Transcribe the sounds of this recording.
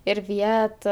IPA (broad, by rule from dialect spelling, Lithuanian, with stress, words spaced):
ɪr ˈʋʲiɛtɐ